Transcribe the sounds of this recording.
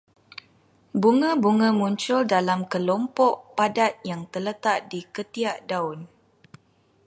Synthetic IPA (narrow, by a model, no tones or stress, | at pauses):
buŋə̃buŋə̃mũɲt͡ʃʊldalamkəlɔmpɔʔpadat̪̚jaŋt̪ələt̪aʔdikət̪iaʔdaʊn